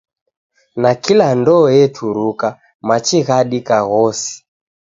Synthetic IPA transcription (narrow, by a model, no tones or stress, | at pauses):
nakilandɔːjɛtʰuɾuka | mat͡ʃiɣaɗikaɣɔsi̥